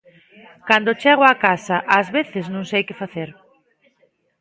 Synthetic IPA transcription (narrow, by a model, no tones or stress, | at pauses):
kand̪ot͡ʃɛɣoakasaʔazβeθɪznõŋsejkɪfaθeɾ